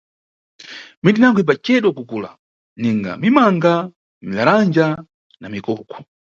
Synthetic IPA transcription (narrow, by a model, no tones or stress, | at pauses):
mindinaŋɡip̬at͡ʃɛɗwɔkukula̰ | niŋɡa̰mimaŋɡa | milaɾand͡ʒa | namikɔːkʰɔ̥